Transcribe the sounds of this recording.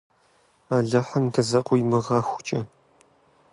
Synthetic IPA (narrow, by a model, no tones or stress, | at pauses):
aːɮɐħɐmɡʰɐzɐqʷʼʊjmɨʁɐːxʷʊ̥t͡ʃʼɐ